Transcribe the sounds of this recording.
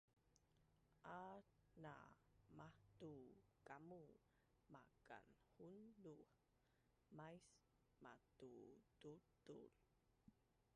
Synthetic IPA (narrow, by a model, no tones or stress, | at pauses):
ʔana̰ | mahtukamu | maka̰nhundu | majs | matututṵl